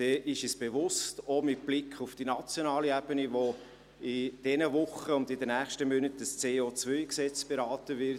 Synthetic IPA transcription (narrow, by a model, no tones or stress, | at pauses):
d̥ɛːʔɪʃisb̥eʋʊstomɪtb̥lɪkʰχufd̥inɑt͡sjonɑːliɛb̥əniʋo | ɪd̥ɛnəvʊχəʊndɪdənæːχʃtəmønətəst͡seːoːt͡sʋœʏksɛt͡sb̥eɾɑːtəʋɪ